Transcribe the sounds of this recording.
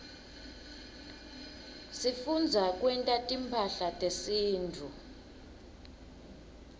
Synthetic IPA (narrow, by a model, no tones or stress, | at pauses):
sifund͡zʱakʼwɛntʼatʼimpʰaɬatʼesiːntʰu